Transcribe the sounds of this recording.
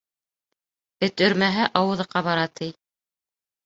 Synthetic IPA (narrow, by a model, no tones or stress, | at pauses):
bɘ̆t̪ɵ̆ɾmæɦæʔɑwɤ̆ðɤ̆qɑβɑɾɑt̪ʰij